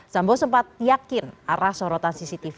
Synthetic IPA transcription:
sambɔsəmpat̪̚jakɪnaɾahsɔɾɔt̪ansisit̪if

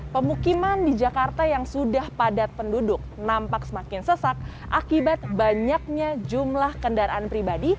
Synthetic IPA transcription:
pəmukimandid͡ʒakart̪ajaŋsudahpadat̪̚pəndudʊk̚nampaksəmakɪnsəsak̚ | ʔakibat̪̚baɲak̚ɲad͡ʒumlahkəndaɾaanpɾibadi

